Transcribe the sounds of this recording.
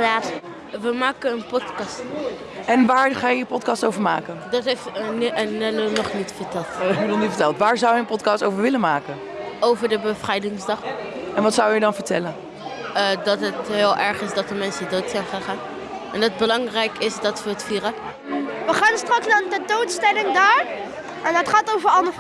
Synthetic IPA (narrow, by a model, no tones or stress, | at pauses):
at | ʋəmaːkəənpɔtkɑst | ɛnʋaːɹχaːjəəpɔtkɑstowvəɹmaːkəndɑtɦeftnənɛlonɔχnitfəɹtɛlˠtbədɔnyvəɹtɛlˠtʋaːɹzawjəənpɔtkɑstowvəɹʋɪlənmaːkən | owvəɹdəbəv̥rɛjdɪŋzdɑχɛnʋɑtsʌwjədɑnvəɹtɛlən | ədɑtɦətɦɪːlˠʔɛɹχɪzdɑtəmɛnsədowtsɛjnχaːnχaːn | ɛndɑd̚bəlɑŋrɛjkɪsdɑtʋəətfiːɾə | ʋəχaːnstrɑksnaːɹdədowtstɛlɪŋdaːɹ | ʔɛnɑtχaːtowvəɹɑlnə